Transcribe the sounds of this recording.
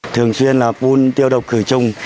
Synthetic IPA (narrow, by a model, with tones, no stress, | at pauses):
t̪ʰɨ˨˩əŋswi˧ənlaː˨˩fu˧nt̪i˧əwɗə˨˩wk͡p̚kɨ˧˩t͡ɕʊ˧ŋ͡m